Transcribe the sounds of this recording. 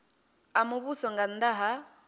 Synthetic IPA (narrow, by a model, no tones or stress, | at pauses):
amuβusɔŋɡandaɦa